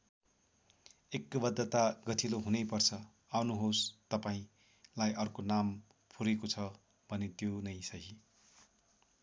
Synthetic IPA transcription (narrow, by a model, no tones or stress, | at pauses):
ekːbʌd̪ːʌt̪aɡʌt̪ʰiloɦunʌjpʌrt͡sʰʌ | awnuɦost̪ʌpaĩ | lajʔʌrkonam | pʰuɾekot͡sʰʌ | bʱʌnet̪jonʌjsʌɦi